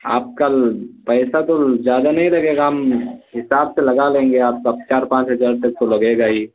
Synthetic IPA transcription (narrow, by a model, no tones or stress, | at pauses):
a̰ːp̚kapɛɪsat̪ozjaːd̪anɐɦĩlɐɡeːɡaɦɐmɦɪsaːbselɐɡalẽːŋɡeaːp̚kat͡ʃaːɾpãːt͡ʃɦəd͡ʒaːɾt̪ɐk̚t̪olɐɡeɡai